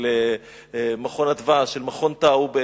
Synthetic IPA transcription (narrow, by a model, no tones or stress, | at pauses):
le | maχo̞nadvaʃelmaχo̞nt̪aube